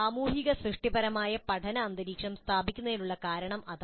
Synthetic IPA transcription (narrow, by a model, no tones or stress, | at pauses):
aːmuːɦiɣɐsɾɨʂʈibɐɾɐmaːjɐpɐʈʰɐnɐːnd̪ɐɾiːkʂɐmst̪ʰaːbʱikʲːunːɐiluɭːɐkaːɾɐɳɐmʔɐd̪